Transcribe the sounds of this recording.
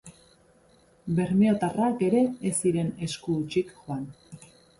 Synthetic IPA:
be̞ɾmio̞t̪arake̞ɾe̞ːsiɾe̞ne̞skuːt͡ʃikʝoan

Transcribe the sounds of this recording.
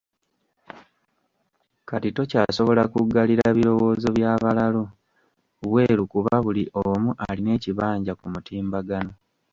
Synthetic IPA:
katito̞caːso̞βo̞lakuɡːaliɾaβiɾo̞wo̞ːzo̞βjaːβalalo | βwe̞ːɾukuβaβuliʔomuʔaline̞ːciβaːɲɟakumutiːmbaɡano̞

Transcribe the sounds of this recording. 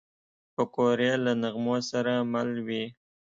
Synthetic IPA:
pəkoɾelanaɣmosaɾamalwi

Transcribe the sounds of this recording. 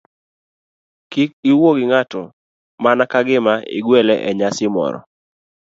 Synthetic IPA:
kik̚iwoɡɪŋatɔ | manakaɡɪmaḭɡwɛlɛʔɛɲasɪmɔ̰ɾɔ̰

